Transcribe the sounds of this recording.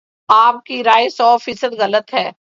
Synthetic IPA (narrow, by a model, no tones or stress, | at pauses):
aːp̚kiɾaːjsɔːfiːsəd̪ɣɐlət̪ɦɛː